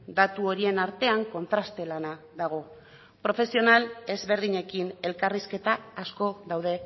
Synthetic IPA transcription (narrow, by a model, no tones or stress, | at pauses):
d̪at̪uo̞ɾie̞naɾt̪e̞aŋko̞nt̪ɾast̪e̞lana | ðaɣ̞o̞ | pɾo̞fe̞sio̞nale̞zβe̞ɾðiɲe̞kine̞lkariske̞t̪aːsko̞ðawðe̞